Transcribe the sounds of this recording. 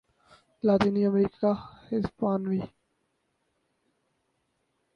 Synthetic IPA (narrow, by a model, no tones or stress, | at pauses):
laːt̪iːniːəmɾiːkahɪzbaːnʋiː